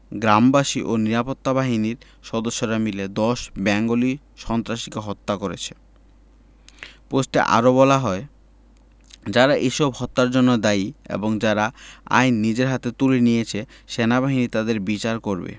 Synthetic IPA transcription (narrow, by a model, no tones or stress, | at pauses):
ɡɾambaʃiʔoniɾapot̪ːabaɦiniɾ | ʃɔd̪oʃːoɾamiled̪ɔʃbɛŋɡoli | ʃɔnt̪ɾaʃi̥keɦɔt̪ːakoɾḛt͡ɕʰe̥ | posʈḛʔa̰ɾoβɔlaɦɔe | d͡ʑaɾaʔeʃɔbhɔt̪ːaɾd͡ʑonːod̪aiḛboŋd͡ʑaɾaa̰jnːid͡ʑeɾɦat̪et̪ulinijet͡ɕʰeʃenabaɦinit̪ad̪eɾbit͡ɕaɾkoɾbḛ